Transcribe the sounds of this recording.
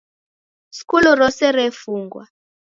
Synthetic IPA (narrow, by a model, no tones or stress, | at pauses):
skulɔɾɔsɛɾɛfuŋɡwa̰